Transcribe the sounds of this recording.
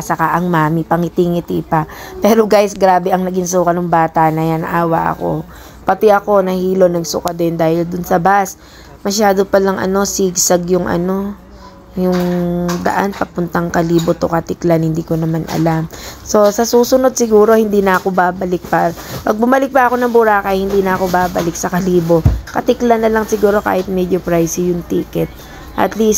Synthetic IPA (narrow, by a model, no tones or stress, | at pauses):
sɐkaʔɐŋmaːmɪpɐŋɪt̪ɪŋɪt̪ipɐpɛːɾo̞ɡajsɡɾaːbɛʔɐŋnɐɡɪns̬uːkɐnʊŋbaːt̪anɐjanʔaːwɐ̰ʔɐ̰ko̞̰ | pɐt̪ɪʔɐko̞nɐhiːlo̞nɐɡsʊkɐd̪ɪnd̪aːhɪld̪ʊnsɐbas | mɐʃaːd̪o̞pɐlɐŋʔɐ̰no̞siːɡsɐɡjʊŋʔɐ̰no̞ | jʊŋd̪ɐ̰ʔanpɐpʊnt̪ɐŋkɐliːbo̞t̪okɐt̪ɪklanhɪnd̪iːko̞nɐmanʔɐ̰lamso̞sɐsuːsʊno̞d̪̚sɪɡuːɾo̞hɪnd̪iːnɐʔɐko̞baːbɐlɪk̚papɐɡ̚bʊmɐlɪk̚pɐʔɐko̞nɐŋbʊɾaːkɐjhɪnd̪iːnɐʔɐko̞baːbɐlɪk̚sɐkɐliːbo̞kɐt̪ɪklɐnːɐlɐŋsɪɡuːɾo̞ka̰ːhɪt̪̚mɛd͡ʒopɾajsɪjʊŋt̪iːkɛt̪̚ | ʔɐ̰t̪list̪̚